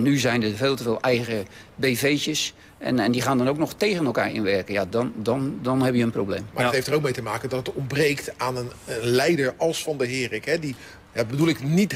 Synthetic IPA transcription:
nyzɛjndəveːlˠtəvɪːlˠɛjɣəbeːveːt͡ʃəs | ɛ̰nɛndiχaːndɔnowk̚nɔxteːɣənɛlˠka̰ːɹɪ̰nʋɛrkəjadɔndɔndɔnɦɛbjəənprowbleːmmathejftərowk̚mejtəmaːkəndɔtətɔmbrejktaːnənənlɛjdəɹɑlˠsfɑndəɦɪːrɪkɦɛdi | jabədulˠɪknit

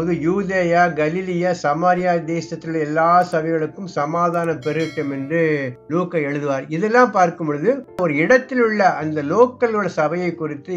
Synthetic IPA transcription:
oːðɯjuːðeːjaːɡɐlɪlɪjaːsɐmaːɾɪjaːd̪eːsɐt̪ːɪlɐɛlːaːsɐbɐɪɣɐɭɯkːɯmsɐmaːðaːnɐpɛɾɯkːɐmɛndrɯloːkːɐɛɻɯðɯʋaːɾɪðɛlːãːmpaːɾkɯmboɭɯðɯɔɾɯɪɽɐt̪ːɪlʊɭːɐɐnd̪ɐloːkːɐlɣɐɭsɐbɐjɐɪkːʊrɪt̪ːɯ

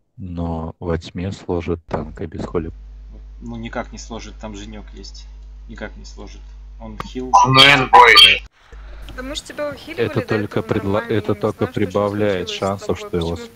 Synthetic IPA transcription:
novɐtʲmʲeslˠoʐɨt̪ːankəbʲɪsxolʲɪ | nunʲɪkaknʲɪslˠoʐɨt̪ːamʐɨnʲokjesʲtʲnʲɪkaknʲɪslˠoʐɨt̪ | onxʲilˠnɛnbojd̪ə | ɛət̪o̞lʲkəpɾʲɪd̪lˠɐɛt̪ət̪o̞lʲkəpɾʲɪbɐvlʲæjɪt̪ʂansəfʂt̪o̞jɪvos

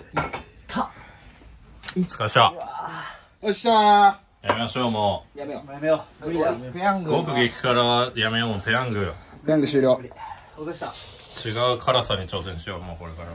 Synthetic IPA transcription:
kʰa | t͡skaɕa | oɕa | jamʲe̞maɕo̞ːmoːjamejoo | peãŋɡɡokɯ̟ɡʲekʲi̥kaɾajamejomopeãŋɡɯ̟peãŋɡɯ̟ɕɨːɾʲjo̞ː | a | t͡ɕiɡaɯ̟kʰaɾasaɲ̟it͡ɕo̞ːs̬ẽ̞ɰ̃ɕijomoːko̞ɾe̞kaɾa

